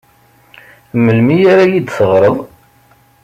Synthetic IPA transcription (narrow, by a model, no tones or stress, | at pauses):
məlmijaɾajid̪θəʁɾˤəðˤ